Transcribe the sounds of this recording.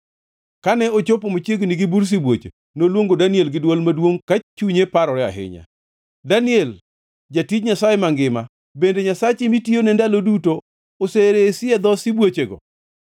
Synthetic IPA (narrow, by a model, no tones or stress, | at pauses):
kanɛot͡ʃopomot͡ʃjeɡniɡibuɾs̬ibwot͡ʃḛ | nolwoŋɡodanɪelɡɪdwolmadwoŋkat͡ʃuɲepaɾɔɾɛa̰ɦɪ̰ɲa̰ | danɪɛl | d͡ʒatid͡ʒɲasajemaŋɡɪma | bendeɲasat͡ʃemitionɛndaloduto | oseɾesɪɛd̪ɔsɪbwot͡ʃeɡɔ̰